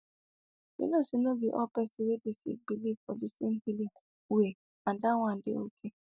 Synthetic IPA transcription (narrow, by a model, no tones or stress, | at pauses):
ḭnosinobiʔɔpɛsiwedesḭbilivfɔdisin̩hili | we | andaŋʷãn̩dɪokʰe